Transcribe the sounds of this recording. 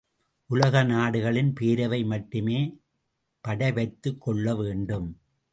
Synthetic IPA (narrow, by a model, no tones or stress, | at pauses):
ʔʊlɐɣɐnaːɽɯɣɐɭɪnpeːɾɐʋɐɪmɐʈːɯmeː | pɐɽɐɪʋɐɪt̪ːɯkːɔɭːɐʋeːɳɖɯm